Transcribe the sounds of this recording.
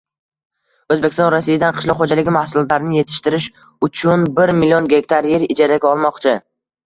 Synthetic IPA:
ɵzbekʲɪst̪ɔnɾasːijad̪anqʰɨ̥ʃlɒχod͡ʒalɪɡʲɪmahsʊlɒt̪laɾɪnɪjet̪ʰɪ̥ʃt̪ɪɾɪʃ | ʊt͡ʃʰʊnbɪɾmɪlijonɡʲe̞kʲt̪ʰaɾjeɾɪd͡ʒaɾaɡʲaɒlˠmɒqt͡ʃʰɪ

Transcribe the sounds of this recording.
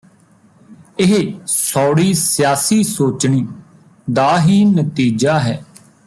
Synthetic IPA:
ɪɦesɔːɽiːsɪjaːsiːsoːt͡ʃɳiː | d̪aːɦiːnət̪iːd͡ʒaːɦɛː

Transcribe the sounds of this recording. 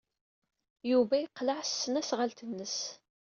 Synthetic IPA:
juvæjəqːləʕsːənæsʁəlt̪ənːəs

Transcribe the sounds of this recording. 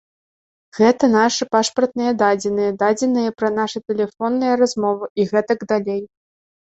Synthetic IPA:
ɣɛt̪ɐn̪aʂɨpaʂpɐrt̪̚nɨjɐd̪ad͡zʲɛnɨjɐd̪ad͡zʲɛnɨjɐpɾɐnaʂɨt̪ɛlʲɛfɔnːɨjɐɾazmɔvɨʔiɣɛt̪ɐɡd̪alʲej

